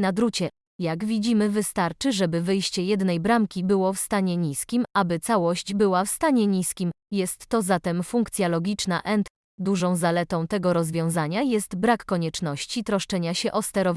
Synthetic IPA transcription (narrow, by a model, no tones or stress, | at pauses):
nad̪ɾut͡ɕɛ | jaɡvʲid͡ʑimɘvɘst̪aɾt͡ʂɘʐɛbɘvɘjɕt͡ɕɛjɛd̪nɛjbɾamkʲibɘwɔfst̪aɲɛɲiskʲimʔabɘt̪sawɔɕt͡ɕbɘwafst̪aɲɛɲiskʲim | jɛst̪ːɔzat̪ɛmfuŋkt̪sʲjalɔɡʲit͡ʂnaʔɛnt̪ | d̪uʐɔ̃w̃zalɛt̪ɔ̃w̃t̪ɛɡɔɾɔzvʲjɔ̃w̃zaɲajɛst̪bɾakːɔɲɛt͡ʂnɔɕt͡ɕit̪ɾɔʂt͡ʂɛɲaɕɛʔɔst̪ɛɾɔv